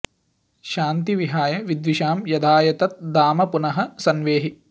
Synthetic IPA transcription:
ʃaːnt̪iʋiɦaːjɐʋid̪ʋiʃaːmjɐd̪ʱaːjɐt̪ɐt̪̚d̪aːmɐpunɐɦɐsɐnʋeːɦi

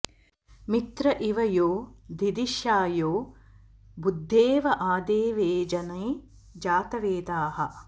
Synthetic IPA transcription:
mit̪ɾɐʔiʋɐjoːd̪ʱid̪iʃjaːjoː | bud̪ʱːeːʋɐʔaːd̪eːʋeːd͡ʒɐnɐj | d͡ʒaːt̪ɐʋeːd̪aːɦɐ

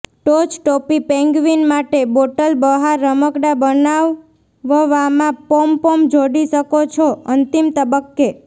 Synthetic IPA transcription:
ʈot͡ʃʈopipɛ̃ŋɡʋinmaʈeboʈəlbəɦaɾːəməkɽabənaʋː | əʋamãpompomd͡ʒoɽiʃəkot͡ʃʰoənt̪imt̪əbəkːe

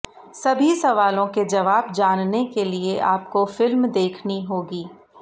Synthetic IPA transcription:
sɐbʱisɐʋaːlõked͡ʒɐʋaːb̚d͡ʒaːnnekelieʔaːp̚kofɪlmd̪eːkʰniɦoːɡiː

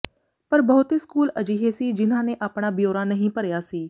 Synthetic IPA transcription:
pəɾbəːʊt̪eːskuːləd͡ʒiːɦeːsiːd͡ʒɪnãːnẽːʔaːpɽaːbjoːɾãːnəɦĩːpəɾjaːsiː

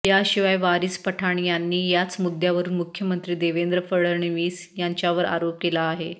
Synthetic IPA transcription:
jaɕiʋajʋaɾispəʈʰaɳ̃janːiːjat͡smud̪jaʋəɾuːnmukʰjəmənt̪ɾiːd̪eʋend̪ɾəfəɭəɾɳiʋiːsjaɲt͡ɕjaʋəɾa̰ɾop̚kelaːɦe

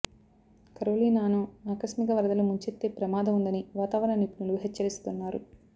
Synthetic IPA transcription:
kɐɾoːliːnaːnuaːkɐsmikɐʋɐɾɐd̪ɐlumuɲt͡ʃet̪ːeːpɾɐmaːd̪ʱɐmund̪ɐniʋaːt̪aːʋɐɾɐɳɐnipnuluɦet͡ʃːɐɾist̪unːaːɾu

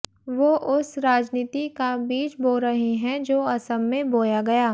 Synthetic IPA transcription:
ʋoːʔʊsɾaːd͡ʒniːt̪ikabiːt͡ʃboːlɾɐɦiɦɛ̃d͡ʒoːɐsəmːẽboːjaɡɐjaː

